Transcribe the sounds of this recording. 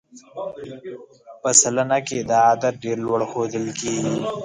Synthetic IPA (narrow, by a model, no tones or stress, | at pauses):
pəsɐlanaked̪aad̪ɐɾɖeːɾlwɐɽxoːd̪əlkeːɡi